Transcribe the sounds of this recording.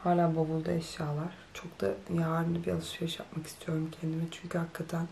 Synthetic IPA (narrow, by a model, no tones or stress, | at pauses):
haːlʲaːbobulˠd̪a̰ɛʃjaːlˠaɾ̥t͡ʃʰo̞kd̪a̰jaaɾɯnabia̰lˠɯʃjɯʃja̰p̚maki̥st̪ʰijo̞ɾumcʰɛnd̪imɛt͡ʃʰyɲcʰyhakʰːat̪ʰæn